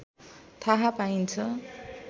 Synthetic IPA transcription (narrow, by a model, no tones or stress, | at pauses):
t̪ʰaɦapaint͡sʰʌ